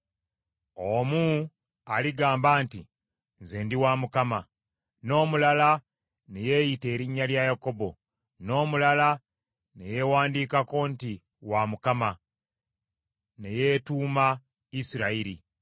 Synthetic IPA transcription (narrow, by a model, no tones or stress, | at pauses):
omu | aliɡaːmbaːntḭ | nzeːndiwamukama | no̞ːmulala | ne̞je̞jite̞ːɾiɲːaljajako̞bo̞ | no̞ːmulala | ne̞jewaːndiːkako̞nti | wamukama | ne̞je̞ːtuːma | isiɾaiɾḭ